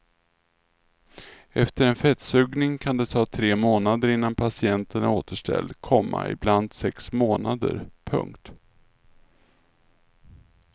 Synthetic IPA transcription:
ɛft̪əɾɛnfɛt̪sʉɡnɪŋkʰand̪ɛt̪ʰɑːt̪ʰɾeːmoːnad̪əɾɪnːanpʰasɪɛnt̪ənæoːt̪ʰəʂʈɛ̰ld̪kʰɔmːa̰ɪ̰bland̪sɛksmoːnad̪ə̰ɾpʰɵ̰ŋkt̪

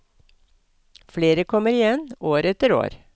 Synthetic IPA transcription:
fleːɾəkʰɔməɾɪjɛnoːɾɛt̪əɾo̰ːɾ

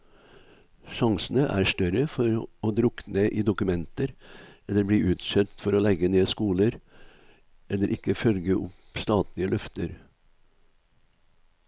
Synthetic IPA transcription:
ʃɑŋsn̩əʔæ̰ːʂt̪œɾəfɔɾoːd̪ɾʊknəʔiːd̪ʊkʉmɛnt̪əɾɛlːəɾbɽiːʔʉːt̪sɛt̪fɔɾoːlɛɡəneːskuːləɾ | ʔɛlːəɾʔɪkːəfœlɡəʔʊp | st̪ɑːt̪lɪəlʔœft̪əɾ

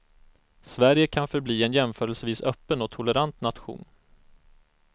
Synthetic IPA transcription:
svæɾjəkʰanfœɾbliːɛnjɛmfœːɾəlsviːsœpːənɔt̪ʰʊlɛɾant̪nat̪ɧṵːn

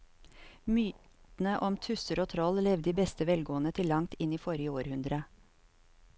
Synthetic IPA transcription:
myːt̪n̩əʔɔmt̪ʰʉsəɾoːt̪ʰɾɔllɛʋd̪iːbɛst̪əʋɛlɡoːənət̪ʰɪlɑŋt̪ɪniːfɔɾjəoːɾhʉnd̪ɾə

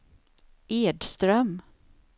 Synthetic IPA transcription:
ʔeːɖst̪ɾœm

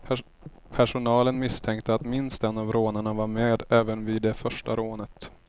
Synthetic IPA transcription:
pʰæʂʊnɑːlənmɪst̪ʰɛŋk̚t̪əat̪mɪnst̪ɛnːavɾoːnəɳavaɾmeːd̪ɛːvənviːd̪ːɛfœʂʈa̰ɾoːnət̪

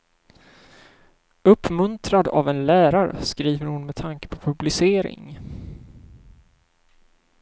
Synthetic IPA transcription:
ɵpːmɵnt̪ɾad̪a̰vɛnlæːɾaɾə̰skɾiːvəɾhʊnmɛt̪ʰaŋkə̥pʰɔ̥pʰɵblɪseːɾɪ̰ŋ

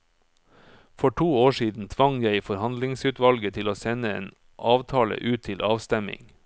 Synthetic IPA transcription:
fɔʈʰuːoːʃiːd̪n̩t̪ʰʋɑŋjæɪfɔɾhɑnd̪lɪŋsʉːt̪ʋɑlɡət̪ʰɪloːsɛnəḛːn | ʔɑːʋt̪ʰɑːlə̰ʔʉːt̪t̪ʰɪlʔɑːʋst̪ɛmɪ̰ŋ

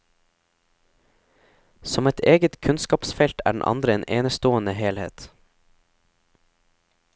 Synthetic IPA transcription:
sɔmɛt̪ʰeːɡət̪kʰʉnskɑːpsfɛlt̪ʰæ̰ːɖɳ̩ʔɑ̰nd̪ɾəeːnʔeːnəst̪oːənəheːlhḛːt̪

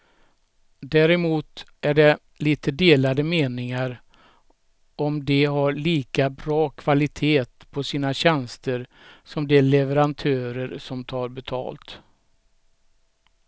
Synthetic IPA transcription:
d̪æːɾɛmuːt̪ | æɖɛ | liːt̪əd̪eːlad̪əmeːnɪŋaɾ | ɔmd̪ɛɦaɾɭiːkabɾɑːkʰv̥alɪt̪ʰeːt̪pʰɔsiːnaɕɛnst̪əɾ | sɔmd̪ɛlɛvəɾant̪ʰœːɾəɾsɔmt̪ʰɑːɾbɛt̪ʰɑ̰ːlt̪

